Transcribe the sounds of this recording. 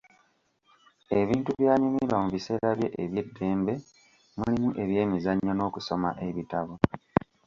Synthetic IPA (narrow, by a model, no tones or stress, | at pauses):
e̞βiːntuβjaːɲumiɾwamuβise̞ːɾaβje̞̰ʔeβje̞dːe̞ːmbe̞ | mulimuʔe̞βje̞ːmizaɲːono̞ːkuso̞ma̰ʔe̞βitaβo